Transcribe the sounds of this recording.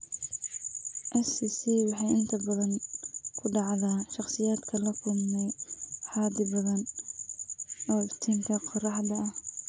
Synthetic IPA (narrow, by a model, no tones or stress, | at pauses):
ʔɛsisiːwɑħɑjɪnt̪ʰɐbɐðɐŋkʰʊɖɑʕðaːʃɑχsɪjaːd̪kʰɐlɐkʰʊlmɛħɑːd̪ɪbɐðɐn | ɔːɪft̪ʰiːŋkʰɐqɔrɑħd̪ɐɐh